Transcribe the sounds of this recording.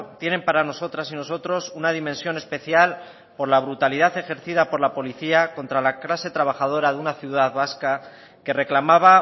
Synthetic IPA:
t̪je̞ne̞mpaɾano̞so̞t̪ɾasino̞so̞t̪ɾo̞sunað̞imẽnsjo̞ne̞spe̞θjal | po̞ɾlaβ̞ɾut̪aliðaθe̞xe̞ɾθiðapo̞ɾlapo̞liθiako̞nt̪ɾalaklase̞t̪ɾaβ̞axað̞o̞ɾaðunaθjuðaðβaska | ke̞re̞klamaβa

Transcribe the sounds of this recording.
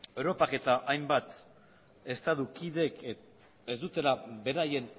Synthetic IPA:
e̞wɾo̞pake̞t̪aʔajmbat̪ | e̞st̪aðukiðe̞k | ezd̪ut̪e̞labe̞ɾaje̞n

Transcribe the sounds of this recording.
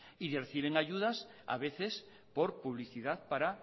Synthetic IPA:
iðerθiβeŋaʎuðasa̰βeθes | poɾpuβliθiðaðpaɾa

